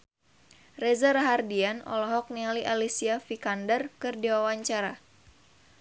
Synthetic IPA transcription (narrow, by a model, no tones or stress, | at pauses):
rɛzaɾaɦardianɔ̰lɔɦɔk̚nialiʔalisiafikandərkɨrdiwawaɲt͡ʃaɾa